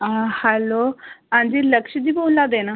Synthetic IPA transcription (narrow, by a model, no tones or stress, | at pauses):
hɛːloːãːnd͡ʒiːləkʃd̪iːboːlaːd̪eːnaː